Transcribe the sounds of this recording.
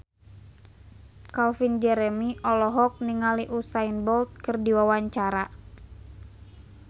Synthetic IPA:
kalfind͡ʒɛɾɛmiʔɔlɔɦɔk̚niŋaliʔusainbɔlt̪̚kɨrdiwawaɲt͡ʃaɾa

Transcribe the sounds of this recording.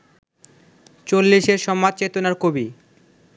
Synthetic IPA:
t͡ɕolːiʃeɾʃɔmːad̪̚t͡ɕet̪onaɾkobi

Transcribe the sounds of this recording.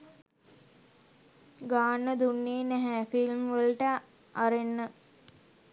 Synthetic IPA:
ɡaːnːəd̪unːeːnɛɦæfilmʋəlʈə | aɾenːə

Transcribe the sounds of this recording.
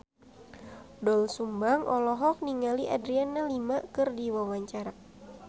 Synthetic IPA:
dɔlsumbaŋʔɔlɔɦɔk̚niŋaliʔadɾianːalimakɨrdiwawaɲt͡ʃaɾa

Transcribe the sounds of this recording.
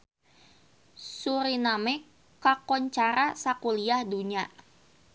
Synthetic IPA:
suɾinamɛ | kakɔɲt͡ʃaɾasakuliahduɲa

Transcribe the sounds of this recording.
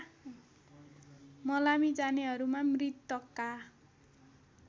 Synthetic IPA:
mʌlamid͡zaneɦʌɾumamrit̪ːʌkːa

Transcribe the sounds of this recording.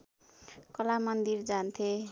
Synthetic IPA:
kʌlamʌnd̪ird͡zant̪ʰe

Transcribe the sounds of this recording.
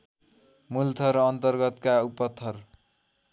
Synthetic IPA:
mult̪ʰʌɾːnt̪ʌrɡʌt̪kaupʌt̪ʰːʌr

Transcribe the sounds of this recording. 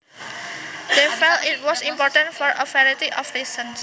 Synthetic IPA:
d̪̥efɛltit̚wɔsimpɔɹtə̃ntfɔɹʔəfɛɾit̪iʔɔfɾisə̃ns

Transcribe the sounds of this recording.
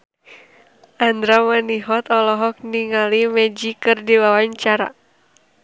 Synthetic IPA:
ʔand̪ɾamaniɦɔt̪ɔlɔɦɔk̚niŋalimɛd͡ʒikɨrdiwawaɲt͡ʃaɾa̰

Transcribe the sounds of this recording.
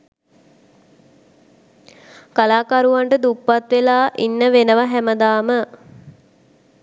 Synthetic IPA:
kalaːkaɾuʋaɳʈəd̪upːat̪ʋelaːʔinːəʋenəʋaɦæməd̪aːmə

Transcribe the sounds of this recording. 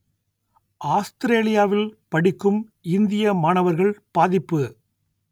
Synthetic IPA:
ʔaːst̪ɪɾeːlɪjaːʋɪlpɐɽɪkːɯmɪnd̪ɪjɐmaːɳɐʋɐɾɣɐɭpaːðɪpːɯ

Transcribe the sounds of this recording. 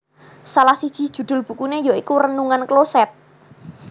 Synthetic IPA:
salahsid̥ʒ̥i̤̥ʒ̥ṳd̪̥ʊ̤lb̥ṳkunejoikurənuŋanklosɛt̪̚

